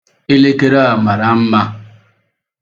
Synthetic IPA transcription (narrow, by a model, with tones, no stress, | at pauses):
e˦le˦ke˦ɾa˦a˨ma˨ɾa˨m̩˦ma˦